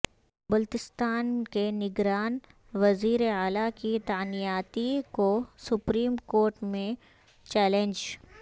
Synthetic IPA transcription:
bʊlt̪ɪst̪aːnkenɪɡɾaːn | ʋɐziːɾeaːlakit̪aːnijaːt̪ikosʊpɾiːmkoːɾʈmẽ | t͡ʃɛːlẽnd͡ʒ

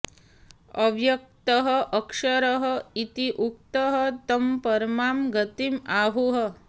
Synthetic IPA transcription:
ɐʋjɐk̚t̪əɦəʔɐkʂɐɾəɦə̆it̪iʔuk̚t̪əɦət̪ɐmpɐɾmaːmɡɐt̪imaːɦuɦə

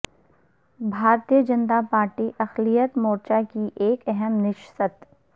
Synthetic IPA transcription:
bʱaːɾt̪ijəd͡ʒənt̪apaːɾʈiʔɐxlijət̪moːɾt͡ʃakiʔeːkɛɦɛmnɪʃsət̪

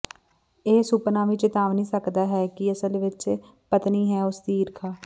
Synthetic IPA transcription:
eːsʊpnãːʋiːt͡ʃɪt̪aːʋnĩːsəkd̪aːɦɛːkɪəsəlʋɪt͡ʃ | pət̪niːɦɛːʊsd̪iːɪɾkʰaː

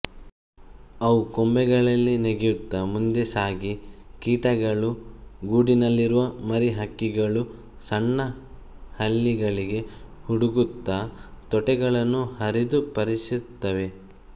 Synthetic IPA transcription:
ɐʋukombɛɡɐɭɐlːineɡjut̪ːɐmund̪esaːɡikiːʈɐɡɐɭuɡuːɖinɐlːiɾuʋɐmɐɾiɦɐkːiɡɐɭu | sɐɳːɐ | hɐlːiɡɐɭiɡe̞huɽuɡut̪ːɐt̪ɔʈɛɡɐɭɐnːuhɐɾid̪upɐɾisit̪ːɐʋe̞

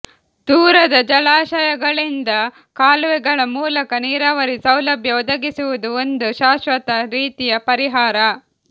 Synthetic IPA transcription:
d̪̥uːɾɐd̪ɐd͡ʒɐlaːʃɐjɐɡɐɭind̪ɐ | kaːlʋɛɡɐɭɐmuːlɐkɐniːɾaːʋɐɾisɐwlɐbʱjɐod̪ɐɡisuʋud̪uond̪uʃaːʃʋɐt̪ɐɾiːt̪ijɐpɐɾiɦaːɾɐ

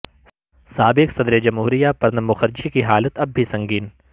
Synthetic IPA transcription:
saːbɪksɐd̪ɾed͡ʒɐmɦuːɾijapɐɾnɐmːʊxɐɾd͡ʒikiɦaːlət̪ɐb̚ːʱisɐ̃ŋɡiːn

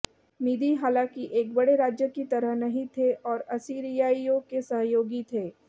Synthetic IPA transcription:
miːd̪iɦaːlãːkiʔeːk̚bɐɽeɾaːd͡ʒjəkit̪ɐɾəɦnɐɦĩt̪ʰeʔɔːɾɐsiːɾijaːiõkesɐɦjoːɡit̪ʰeː

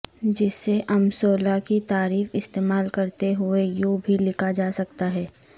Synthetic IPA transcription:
d͡ʒɪsːeʔɐmsoːlakit̪aːɾiːfɪst̪eːmaːlkɐɾt̪eɦʊejoːbʱilɪkʰad͡ʒaːsɐk̚t̪aɦɛː

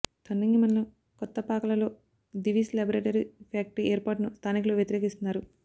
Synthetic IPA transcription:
t̪ʰɐnːiŋːimɐnlɐ | kɔt̪ːɐpaːkɐlɐlo̞ː | ɖiʋiːslɐbɐɾeːʈɐɾipʰaːk̚ʈieːɾpaːʈnust̪ʰaːnikuluʋjɐt̪iɾeːkist̪unːaːɾu

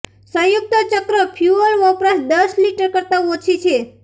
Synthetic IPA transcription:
sə̃jʊk̚t̪ət͡ʃəkɾəpʰjuəɾʋəpɾəsd̪əsliʈəɾkəɾt̪aot͡ʃʰit͡ʃʰe

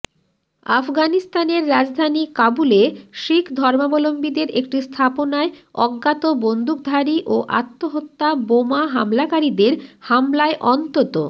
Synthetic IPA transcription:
a̰fɡanist̪aneɾːad͡ʑd̪ʱanikabuleʃikʰd̪ʱɔɾmabɔlombid̪eɾek̚ʈist̪ʰaponaeɔɡːat̪obond̪uk̚d̪ʱaɾiʔoʔa̰t̪ːoɦot̪ːabomaɦamlakaɾid̪eɾhamlaeʔɔnt̪ot̪o

